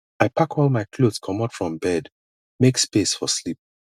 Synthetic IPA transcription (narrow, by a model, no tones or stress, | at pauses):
aɪpʰakʰɔlˠmaɪkʰlodskʰʌ̃matfɹɔ̃mbɛd | mekspesfɔslip̚